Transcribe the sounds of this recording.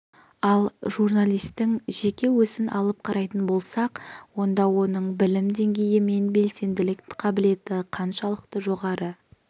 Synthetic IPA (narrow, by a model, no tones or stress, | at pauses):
ɑlˠʒurnalʲˠijst̪ɪŋʒe̞kʲe̞wɵzɪnʔɑ̰lˠəp̚qʰɑɾɑjt̪ənbo̞lˠsɑqwo̞nd̪ɑwo̞nəɴbɪlɪmd̪e̞ŋɡʲe̞jɪme̞nbe̞lse̞nd̪ɪlɪkqʰɑbɪle̞t̪ɪqʰɑnʃɑlˠəqt̪əʒo̞ʁɑɾə